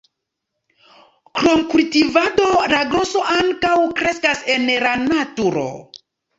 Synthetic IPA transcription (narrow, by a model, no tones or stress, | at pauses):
kɾo̞mkultivado̞laɡɾoso̞ʔaŋkawkɾe̞skase̞nlanatuɾo̞̰